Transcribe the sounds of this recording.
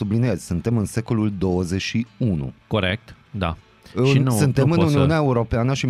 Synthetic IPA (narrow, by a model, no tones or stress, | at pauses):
ubliniezʲsunt̪e̞mɨnse̞ko̞luld̪o̞wəze̞t͡ʃʃiunṵkoɾḛk̚t̪ | d̪a̰ | ɨʃinnsɨnt̪e̞mɨnuniuneaeuɾo̞peanəʃi